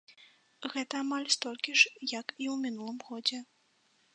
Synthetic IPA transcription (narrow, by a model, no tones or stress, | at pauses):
ɣɛt̪ɐːmalʲst̪ɔlʲkʲiʂjɐkiwmʲinulˠɨmɣɔd͡zʲɛ